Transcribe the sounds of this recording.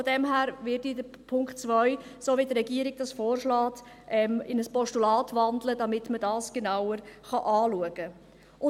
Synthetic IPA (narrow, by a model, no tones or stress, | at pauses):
fɔdɛmɦæːɾvɪdidə | pʰʊŋkχtt͡sʋœʏsoːʋidɾɛɡiəɾɪɡ̚d̥ɑsfoːrʃlɑːt | ʔɛmɪnəspɔʃtulɑːtvɑndlədɑmɪtmədɑːsɡ̥enawəɾχɑʔɑːluəɡ̥ə | ʊ